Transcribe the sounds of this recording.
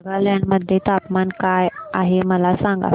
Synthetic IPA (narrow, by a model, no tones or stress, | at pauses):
ɡaljanməd̪ʱːjet̪apmankajaɦeməlasãŋɡa̰